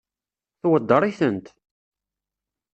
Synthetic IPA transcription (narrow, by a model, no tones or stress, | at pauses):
θwəd̪ːəɾˤiθənt̪